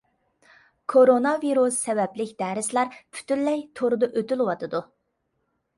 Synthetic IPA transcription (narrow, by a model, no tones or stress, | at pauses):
kʰoɾonɑviɾusːɛvɛplɪkʲd̪æːɾɪslˠɑɾpʰy̥t̪ylːɛjt̪ʰoɾɨd̪ɑʔøt̪ylˠwɑt̪ʰɨd̪u